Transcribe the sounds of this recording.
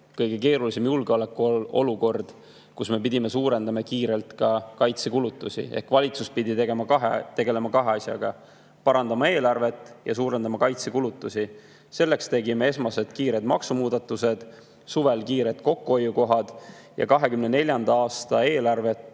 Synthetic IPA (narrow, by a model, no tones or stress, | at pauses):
kɤjɡ̥e̞keːɾulisemjulɡeolekːuo̞luko̞rd̪̥ | kusme̞p̬id̪̥ʲime̞suːɾe̞nd̪ɑmekiːɾe̞lt̪kɑkɑjt̪sekulut̪ːˑusḭehkvɑlʲit̪suspid̪ʲit̪eɡemɑkɑɦḛt̪e̞ɡe̞le̞mɑkɑɦe̞ɑsʲjɑ̰ɡ̥ɑ | pɑɾɑnd̪̥ɑmɑe̞ːlɑrve̞t̪ːˑjɑsuːɾe̞nd̪ɑmɑkɑjt̪sekulut̪ːˑusi | se̞lːe̞kst̪e̞ɡime̞e̞smɑse̞d̪̥kiːɾe̞d̪mɑ̰ksumuːd̪ɑt̪ːˑuse̞d̪̥ | suve̞lkiːɾe̞t̪ko̞kːuojːuko̞ɦɑd̪̥jɑ̰kɑɦe̞kymnene̞lʲjɑnd̪ɑɑːst̪ɑe̞ːlɑrve̞t̪